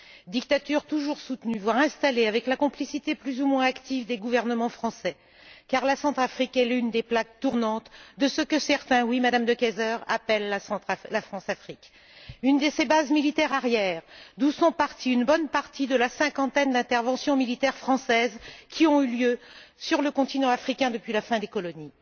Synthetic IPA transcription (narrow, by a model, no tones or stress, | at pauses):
d̪ikt̪at̪yʁt̪uʒuʁsut̪nyvwaʁɛ̃st̪aleavɛklakɔ̃plisit̪eplyzumwɛ̃akt̪ivd̪eɡuvɛʁnəmɑ̃fχɑ̃sɛ | kaʁlasɑ̃t̪χafχikɛlynd̪eplak̚t̪uʁnɑ̃t̪d̪əsəkəsɛʁt̪ɛ̃wimad̪amd̪əkɛzœʁa̰pɛlːãlafχɑ̃safχik | ynd̪əsebazmilit̪ɛʁaʁjɛːʁd̪usɔ̃paʁt̪iynbɔnpaʁt̪id̪əlasɛ̃kɑ̃t̪ɛnd̪ɛ̃t̪ɛʁvɑ̃sjɔ̃milit̪ɛʁfχɑ̃sɛzkʲʰiɔ̃yljøsyʁləkɔ̃t̪inɑ̃afχikʲɛ̃d̪əpɥilafɛ̃d̪ekɔlɔni